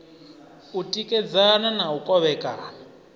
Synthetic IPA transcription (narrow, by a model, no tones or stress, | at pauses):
utʼikʼɛd͡zananaukʼɔβɛːkʼa